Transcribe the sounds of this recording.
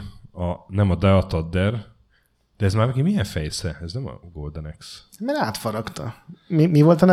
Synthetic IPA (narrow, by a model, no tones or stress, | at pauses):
ɒnɛmɒd̪ɛɒt̪ɒd̪ːɛr | d̪̥ɛɛzmaːrnɛkimijɛɱfɛjsɛɛznɛmɒ̰ɡold̪ɛnɛks | mɛɾaːt̪fɒɾɒkt̪ɒ̰mimivo̞lt̪ɒn